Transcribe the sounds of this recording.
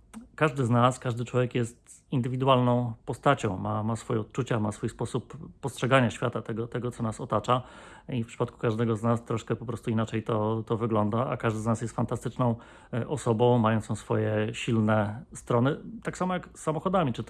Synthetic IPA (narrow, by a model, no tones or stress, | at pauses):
kaʐd̪ɘznaskaʐd̪ɘt͡ʂwɔvʲjɛkjɛst̪ | ind̪ɘvʲid̪uwalnɔ̃w̃pɔst̪at͡ɕɔ̃w̃mʔamasfɔjɛɔt̪̚t͡ʂut͡ɕamasfujspɔsupːɔstʂɛɡaɲaɕfʲjat̪at̪ɛɡɔt̪ɛɡɔt̪sɔnasɔt̪at͡ʂaifpʂɘ̥pat̪ku̥kaʐd̪ɛɡɔznast̪ɾɔʂkɛpɔpɾɔst̪uinat͡ʂɛjt̪ɔt̪ɔvɘɡlɔnd̪aa̰kaʐd̪ɘznasjɛst̪fant̪ast̪ɘt͡ʂnɔ̃w̃ | ʔɔsɔbɔ̃w̃majɔnt̪sɔ̃sfɔjɛɕilnɛst̪ɾɔnɘt̪aksamɔjaksːamɔxɔd̪amʲit͡ʂɘ